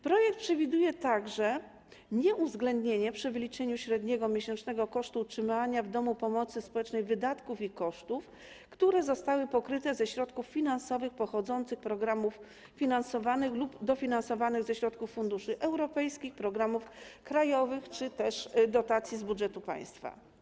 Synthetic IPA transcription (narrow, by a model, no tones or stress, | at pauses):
pɾɔjɛk̚t̪̚pʂɛvʲid̪ujɛt̪aɡʐɛ | ɲɛʔuvzɡlɛnd̪ɲeɲɛpʂɘvɘlʲit͡ʂɛɲuɕɾɛd̪ɲɛɡɔmʲjeɕɛnt͡ʂnɛɡɔkɔʂt̪utʂɘmaɲavd̪ɔmupɔmɔt̪sɘspɔwɛt͡ʂnɛjvɘd̪at̪kufikɔʂt̪uf | kt̪uɾɛzɔst̪awɘpɔkɾɘt̪ɛzɛɕɾɔt̪kuffʲinansɔvɘxpɔxɔd̪zɔnt̪sɘxpɾɔɡɾamuf | fʲinansɔvanɘxlubd̪ɔfʲinansɔvanɘɣzɛɕɾɔt̪kufːund̪uʂɘʔɛwɾɔpɛjskʲixpɾɔɡɾamufkɾajɔvɘxt͡ʂɘt̪ɛʂd̪ɔt̪at̪sʲjizbudʐɛt̪upa̰j̃st̪fa̰